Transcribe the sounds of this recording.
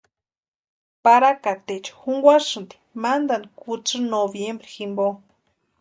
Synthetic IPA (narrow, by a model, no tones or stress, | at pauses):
paɾakat̪et͡ʃxuŋɡʷaʂɨnt̪i̥mand̪anikut͡sɨnoβjembɾiximbo